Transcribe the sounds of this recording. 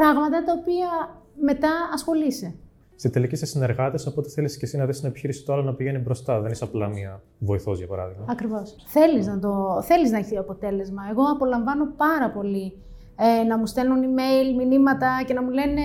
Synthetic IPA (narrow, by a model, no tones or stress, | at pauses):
pɾɐɣmɐt̪ɐt̪ɐopiɐme̞t̪ɐɐsxo̞lise | st̪it̪e̞licesesine̞ɾɣɐt̪esopo̞t̪eθeliscesinɐðisnɐepiçiɾisi̥t̪oɐlonɐpiʝe̞nibɾo̞st̪ɐðenisɐplɐmiɐ | vo̞iθozʝɐpɐɾɐ̰ðiɣmɐɐkɾivo̞s | θe̞liznɐt̪o̞θe̞liznɐeçioɐpo̞t̪e̞le̞zmɐe̞ɣo̞ɐpo̞lɐɱvɐno̞pɐɾɐpo̞li | enɐmust̪e̞lunime̞jlminimɐt̪ɐce̞nɐmule̞ne̞